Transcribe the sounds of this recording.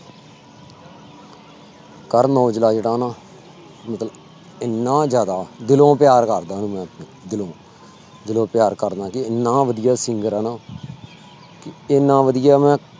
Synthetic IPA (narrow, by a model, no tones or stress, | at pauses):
kəɾnoːd͡ʒəlaːd͡ʒeɽãːnãː | mət̪lə | ɪnːãːd͡ʒjaːd̪aːd̪ɪlõːpɪjaːɾkəɾd̪ãːnũːmɛ̃ːpnẽːd̪ɪlõː | d̪ɪlõːpɪjaːɾkəɾd̪ãːkɪɪnːãːʋəd̪ɪjaːsɪŋɡəɾaːnãː | kɪɪnːãːʋəd̪ɪjaːmɛ̃ː